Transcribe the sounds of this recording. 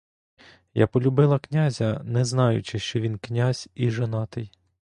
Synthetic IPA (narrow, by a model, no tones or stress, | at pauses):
ja̰pɔlʲʊbɪlˠɐknʲazʲɐnɛznɑjʊ̰t͡ʃɪʃt͡ʃɔʋʲinknʲazʲiʒɐnɑt̪ɪj